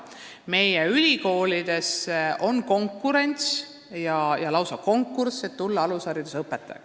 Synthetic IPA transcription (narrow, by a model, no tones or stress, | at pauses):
me̞jeylʲiko̞ːlid̪̥e̞so̞nko̞ŋkːˑuɾe̞nʲt̪s | jɑjɑlɑwsɑko̞ŋkːˑurse̞t̪ːulːɑɑlusɑːɾid̪̥usɤpːˑet̪ːˑɑ̰̥